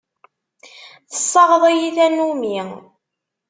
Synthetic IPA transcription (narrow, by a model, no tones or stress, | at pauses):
θə̥sˤːɑʁəðˤijiθænumi